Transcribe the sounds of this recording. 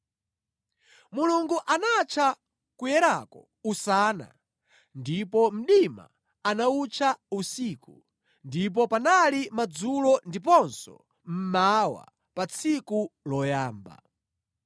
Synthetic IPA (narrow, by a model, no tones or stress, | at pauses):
muluŋɡuʔanat͡ʃʰa | kujɛɾakɔ | usaːna̰ | ndipɔm̩ɗima̰ | anaut͡ʃʰausiːku | ndip̬ɔpanalimad͡zulɔndip̬ɔnsɔ̰ | m̩mawa̰ | pat͡sʰikulɔjaːmba̰